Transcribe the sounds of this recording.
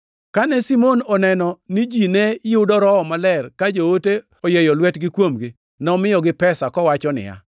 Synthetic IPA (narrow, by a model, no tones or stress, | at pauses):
kanɛsimonɔnɛnɔnɪd͡ʒinɛjʊdɔɾɔɔmalɛrkad͡ʒoote | ɔjejɔlwɛtɡɪkwomɡi | nɛɔmɪjɔɡɪpɛsakɔwat͡ʃɔnɪ̰ja̰